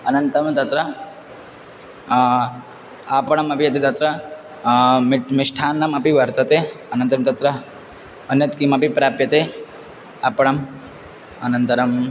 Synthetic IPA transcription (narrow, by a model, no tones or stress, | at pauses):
ɐnɐnt̪ɐmt̪ɐt̪ɾɐ | apɐɳɐmɐbijɐt̪it̪ɐt̪ɾɐ | miʂʈʰaːnːɐmɐpiʋɐɾt̪ɐt̪eɐnɐnt̪ɐmt̪ɐt̪ɾɐ | ɐnjɐt̪kimɐpipɾaːpjɐt̪e | apɐɳɐm | ɐnɐnt̪ɐɾɐm